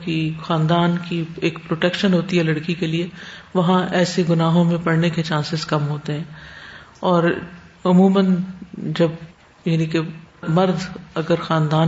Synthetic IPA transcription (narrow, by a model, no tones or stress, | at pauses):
kixaːnd̪aːnkieːkpɾoːʈɛkʃənɦoːt̪iɦɛlɐɽkikelieʋɐɦãʔɛːseɡʊnaːɦõmẽpɐɽneket͡ʃãːnsɪzkɐmɦoːt̪eɦɛ̃ː | ɔːɾʊmuːmənd͡ʒɐb | jɐnĩkemɐɾd̪ɐɡəɾxaːnd̪aː